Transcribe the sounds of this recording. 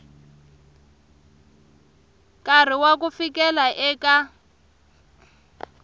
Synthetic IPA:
kar̤iwak̬ufikɛlaʔɛka

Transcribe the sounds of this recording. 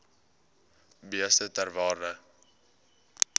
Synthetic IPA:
biəstətærvɑːrnə

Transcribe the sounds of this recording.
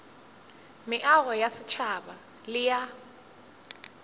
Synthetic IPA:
mɪʔaɣɔjasɪt͡ʃʰaɓa | lɪja

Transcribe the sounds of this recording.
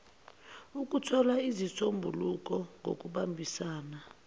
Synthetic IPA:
uk̬ʼutʰɔlaizisombʱuluk̬ɔŋʱo̰k̬ʼuɓambʱisaːna

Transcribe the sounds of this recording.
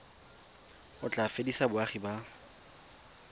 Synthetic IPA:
ʊt͡ɬʼafedisabʊaχiba

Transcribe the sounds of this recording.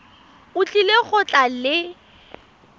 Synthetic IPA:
ʊt͡ɬʼileɣʊt͡ɬʼalɪ

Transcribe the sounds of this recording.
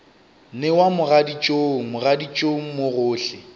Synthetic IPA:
nɪwamʊradit͡ʃʼoŋ̩mʊradit͡ʃʼoŋ̩moɣʊːɬɪ

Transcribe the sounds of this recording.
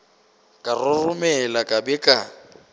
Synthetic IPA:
kʼarʊrʊmɛlakʼabɛkʼa

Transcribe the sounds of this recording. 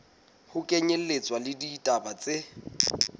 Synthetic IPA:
hʊkʼeɲel̩let͡sʼwalɪditʼabat͡sʼɪ

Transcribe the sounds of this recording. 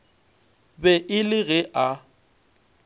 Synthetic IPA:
bɛʔɪlɪɣɛʔa

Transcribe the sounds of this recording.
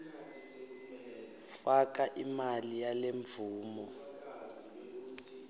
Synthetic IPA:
fakaʔimalijaleɱbvʱuːmɔ

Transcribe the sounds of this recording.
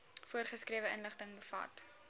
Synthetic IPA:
fuərχəskriəvəənləχtəŋbəfɐ̰t

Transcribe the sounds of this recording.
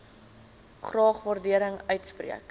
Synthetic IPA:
χrɑːχvɑːrdiəɾəŋœɥtsprḭək

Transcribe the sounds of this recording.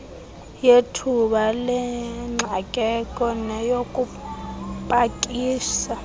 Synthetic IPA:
jetʰuɓalɛŋ͡ǀʱakʼɛkʼɔnɛjokʼu | pʼakʼiːsa

